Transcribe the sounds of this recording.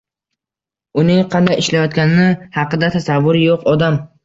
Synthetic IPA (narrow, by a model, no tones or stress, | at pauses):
ʊnɪŋqʰɑnd̪ajɪʃlajɒt̪̚kʲanɪnɪhɑqɨd̪at̪ʰasavːʊɾɪjoqɒd̪am